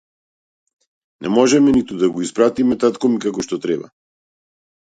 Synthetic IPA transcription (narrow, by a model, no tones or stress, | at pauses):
nʔɛ̰mɔʒɛmɛnit̪ud̪aɡɔispɾat̪imɛt̪at̪kɔmikakɔʃt̪ɔt̪ɾɛba̰